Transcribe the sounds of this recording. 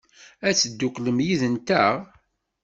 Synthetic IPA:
æt͡sːəd̪ːʊqləmjiðənt̪əʁ

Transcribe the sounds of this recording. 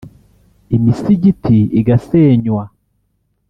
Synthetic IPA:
imisiɟitʰiiɡaseːɲwa

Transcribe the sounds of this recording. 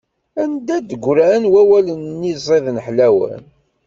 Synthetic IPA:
ænd̪æd̪əɡʷɾænwæwælənːizˤeðnħlæwə̰n

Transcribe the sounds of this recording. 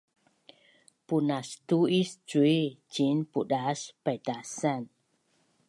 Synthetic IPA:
punast̪uist͡ʃuit͡ʃinpudaspajdasan

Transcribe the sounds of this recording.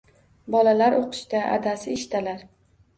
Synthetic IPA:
bɒlalaɾʔoqʰɨ̥ʃt̪aʔa̰d̪asɪɪʃt̪ʰalaɾ

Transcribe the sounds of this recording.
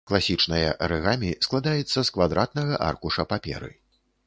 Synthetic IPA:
klˠasʲit͡ʂnɐjɐ̰ɾɛɣamʲisklˠad̪ajɛt̪sːɐskvad̪ɾʔat̪nɐɣɐʔa̰rkuʂɐpapʲɛ̰ɾɨ̰

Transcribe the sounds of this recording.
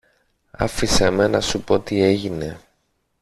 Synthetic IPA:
ɐ̰fisemenɐsupo̞t̪ie̞ʝine̞

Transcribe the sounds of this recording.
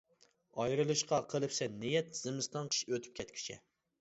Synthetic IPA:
ɑjɾɨlˠɨʃqɑqʰəlˠɨpsɛnɪjɛt̪z̥ɨmɨst̪ɑnqʰə̥ʃøt̪ʰy̥p̚kʲʰɛt̪̚kʲʰy̥t͡ʃʰɛ̰

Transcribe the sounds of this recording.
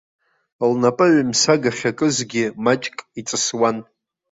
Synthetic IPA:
lnapʼɨɥamsaɡaχʲakʼɨzɡʲɪmat͡ʃʼkʼit͡sʼɨswan

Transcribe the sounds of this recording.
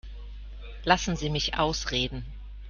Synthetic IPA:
lasn̩ziːmɪçʔa̰ʊsʁeːdn̩

